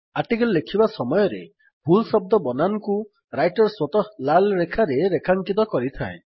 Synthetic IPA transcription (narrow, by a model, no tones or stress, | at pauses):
aʈikellekʰibasɔmɔjɔɾḛ | bʱulsɔb̚d̪ɔbɔnanɔku | ɾajʈɔɾswɔt̪ɔlalɾekʰaɾeɾekʰaŋkit̪̬ɔkɔɾit̪ʰae